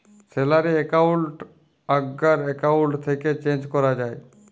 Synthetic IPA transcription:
selaɾeekauɳʈ | aɡːaɾekawuɳʈt̪ʰeket͡ʃẽnd͡ʒkɔɾad͡ʒae

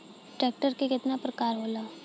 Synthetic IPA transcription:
ʈɾɛːk̚ʈəɾkekɪt̪napɾəkaːɾɦoːlaː

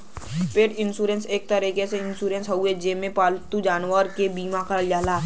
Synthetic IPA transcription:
peːʈɪnsuːɾẽnseːk̚t̪əɾiːkeseɪnsuːɾẽnsɦɐued͡ʒeːmẽpaːlt̪ud͡ʒaːnwəɾkebiːmakəljaːlaː

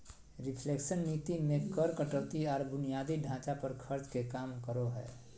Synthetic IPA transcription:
ɾɪpʰleːkʃənːiːt̪imẽkəɾkəʈət̪iɔːɾbʊnijaːd̪iɖʱãːt͡ʃapəɾkʰəɾt͡ʃkekaːmkəɾoɦɛ̰ː

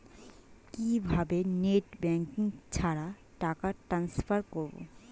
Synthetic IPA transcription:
kibʱabeneʈbɛŋkiŋt͡ɕʰaɾa | ʈakaʈɾansfaɾkoɾbo̰

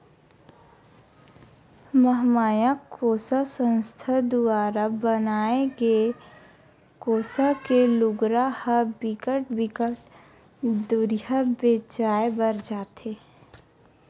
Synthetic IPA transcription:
məɦmaːjakoːsasə̃nst̪ʰad̪ʊaːɾabənaːeɡe | koːsakelʊɡɾahəbɪkəʈ̚bɪkəʈ | d̪uɾjabeːt͡ʃaːebəɾd͡ʒaːt̪eː

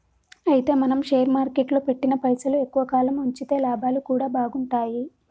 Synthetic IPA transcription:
ɐjit̪e̞ːmɐnɐmʃejɐɾmaːɾke̞ʈloːpe̞ʈːinɐpɐjsɐlue̞kːuʋɐkaːlɐmuɲt͡ʃit̪e̞ːlaːbʱaːlukuːɽaːbʱaːɡuɳʈaːji

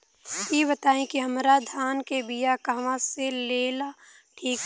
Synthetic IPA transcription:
kiːbɐt̪aːẽkiɦɐmɾad̪ʱaːnkebijakaɦʋãseleːla | ʈʰiːk

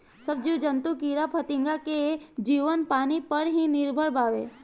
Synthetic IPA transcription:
səb̚d͡ʒud͡ʒənt̪ukiːɾapʰət̪ɪ̃ŋɡaked͡ʒiːʋənpaːnipəɾɦinɪɾbʱəɽbaːʋeː

